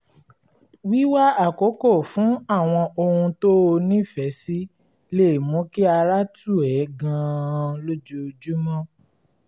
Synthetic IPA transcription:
wi˦wa˦a˦˨ko˨˦ko˦˨fũ˨˦a˦˨w̃ɔ̃˧ʔo˧hũ˧to˦o˧nĩ˦˨fɛ˨˦si˦ | le˦˨mõ˨˦ki˦a˧ɾa˦tu˦˨ɛ˨˦ɡã˧lo˦d͡ʒo˦o˧d͡ʒu˦mɔ̃˦

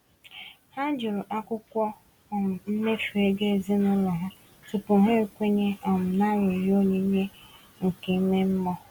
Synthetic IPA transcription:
ha˦nd͡ʒʊ˨ɾʊ˨ʔa˦kʷʊ˦kʷɔ˦ | ɔ˨m̩˨m̩˦me˦fu˨e˦ɡe˦˨zi˦nʊ˦lɔ˨ɦʊ˦ | tʊ˨pʊ˨ɦe˦˨kʷe˦ɲe˦ʔɔ˨m̩˨na˦ɾʊ˨ɾo˦ɲe˦ɲe˦ | ŋ̩˨ke˨˦me˦m̩˦mɔ˦

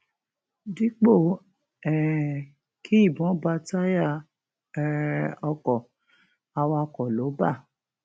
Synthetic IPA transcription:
di˦k͡po˦˨ | ɛ˨ | kʰi˦i˦˨bɔ̃˨˦ba˦ta˦ja˦˨ | ɛ˨ɾɛ˧˨ɔ˧kɔ˨ | a˧wa˧kɔ˨lo˨˦ba˦˨

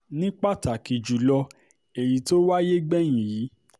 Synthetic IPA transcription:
nĩ˦k͡pa˦˨ta˨ki˨d͡ʒu˨lɔ˧ | e˨ji˨to˦wa˦je˦ɡ͡bɛ˦˨j̃ĩ˨ji˨˦

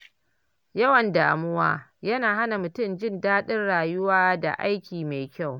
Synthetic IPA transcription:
jɐ˦wɐ˨ndaː˨mʊ˦wa̰ː˦jɐ˦naː˨ɦa˦na˨mʊ˨tʊ˦˨md͡ʒɪ˦˨ndaː˦ɗɪ˦nɽaː˨jʊ˦waː˦da̰˨ʔa˦jkʲiː˨ma˨jkʲa˦˨w

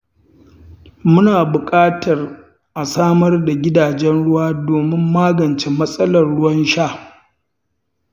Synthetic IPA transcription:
mʊ˦naː˨bʊ˨kʼaː˦tɐ˨r | ʔa˨saː˦mɐ˦rda˨ɡʲɪ˦daː˨d͡ʒɛ˦nɽʊ˦waː˦doː˨mɪ˦mːaː˦ɡɐ˨nt͡ʃe˨mɐ˦sʼɐ˦lɐ˨rɽʊ˦wɐ˦nʃaː˦˨

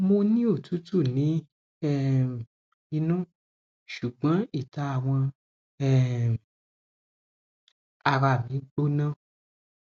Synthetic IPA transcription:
mo˧nĩ˦o˦˨tu˨˦tu˦˨nĩ˨˦ | ɛ˦˨ | i˧nũ˦ | ʃu˨ɡ͡bã˨˦i˦˨ta˧a˦˨w̃ɔ̃˧ | ɛ˦˨ | a˨ɾa˨mĩ˨˦ɡ͡bo˦nã˦˨

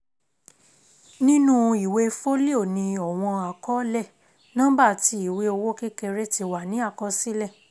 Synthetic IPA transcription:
nĩ˦nũ˦˧i˨we˧fo˦li˦o˦˨nĩ˧ɔ˨w̃ɔ̃˧a˨kɔ˦lɛ˦˨ | nã˦ba˦˨ti˧˦i˨we˧˦o˧wo˦ke˦ke˧ɾe˦ti˧wa˨nĩ˨˦a˦˨kɔ˧˦si˦lɛ˦˨

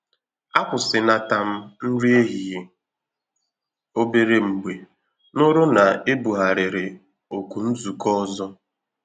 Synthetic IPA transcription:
a˦kʷʊ˨sɪ˨na˨ta˨m̩˦n̩˦ɾi˦e˦ɦi˨je˨ | o˦be˦ɾe˦m̩˨ɡ͡be˨ | nʊ˦ɾʊ˦na˨e˦bu˨ɦa˨ɾɪ˨ɾɪ˨ | o˨ku˨n̩˦zu˨kɔ˦zɔ˦

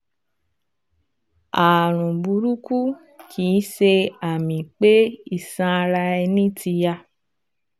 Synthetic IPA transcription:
a˨ɾ̃ũ˨bu˧˦ɾu˦ku˦ | kʰi˨˦ʃe˧a˨mĩ˨k͡pe˦i˦˨sã˧ɾa˧ɛ˧nĩ˦tʰi˧ja˧

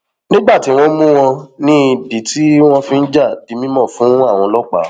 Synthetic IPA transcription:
nĩ˦ɡ͡ba˦˨ti˨˦w̃ɔ̃˧˦mũ˦w̃ɔ̃˧nĩ˦i˧di˨˦ti˦w̃ɔ̃˧fĩ˧n̩˦d͡ʒa˦˨d̥i˨˧mĩ˦mɔ̃˦˨fũ˨˦a˦˨w̃ɔ̃˧lɔ˦k͡pa̰˨˦

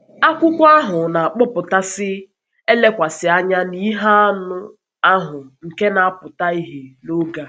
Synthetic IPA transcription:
a˦kʷʊ˦kʷa˦ɦʊ˨na˨k͡pʊ˦pʊ˨ta˦sɪ˦ | e˦le˦kʷa˨sɪ˨a˦ɲa˦ni˦ɦa˦a˦nʊ˦ | a˦ɦʊ˨ŋ̩˨ke˦na˨a˦pʊ˨ta˦i˦ɦe˨no˦ɡa˦

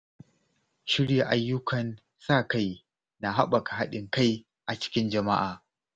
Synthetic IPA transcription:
ʃɪ˦ɽja˨ʔa˨˦jːʊ˦kʰɐ˨n | sa˦˨ka˦˨j | na˨ɦa˦ɓa˨ka˨ɦa˦ɗɪ˨ŋka˦j | ʔa˨t͡ʃɪ̥˦kʲɪ˦nd͡ʒɐ˨ma̰˦ʔaː˨

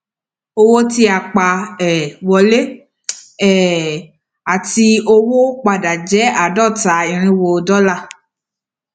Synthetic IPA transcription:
o˧wo˦ti˧a˨k͡pa˧ɛ˨wɔ˧le˦ | ɛ˨ | a˨ti˧o˧wo˦k͡pa˧da˨d͡ʒɛ˨˦a˨dɔ˦˨ta˨i˨ɾ̃ĩ˧wo˧˨dɔ˦la˦˨

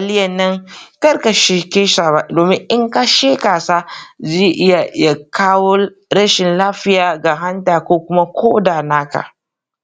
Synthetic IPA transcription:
a˨lɪ˦jɐ˨nːɐ˦ŋkɐ˦rka˨ʃeː˦kʲeː˦ʃaː˨ba˨doː˨mɪ˦ŋʔɪ˦ŋka˦ʃeː˦kaː˨saː˦zeː˦˨ʔɪ˦ja˨ʔɪ˦ja˨kʰaː˦woː˦ | ɾɐ˦ʃɪ˨nlaː˦ɸɪ˦jaː˨ɡa˨ɦa˦ntaː˨kʷoː˦kʷʊ˦ma˦kʷʰoː˦daː˨naː˦ka̰˨

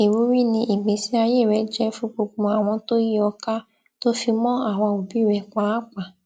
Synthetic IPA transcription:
e˨ɾu˨˦ɾi˦˨nĩ˧ʔi˨ɡ͡bĩ˨˦si˦a˧je˦˨ɾɛ˨˦d͡ʒɛ˦fũ˦k͡po˧k͡pũ˧a˦˨w̃ɔ̃˧to˦ji˦ɔ˧ka˦ | to˦fi˧mɔ̃˦a˦˨w̃ɔ̃˧wo˨bi˦˨ɾɛ˨kʷa˦k͡pa˨

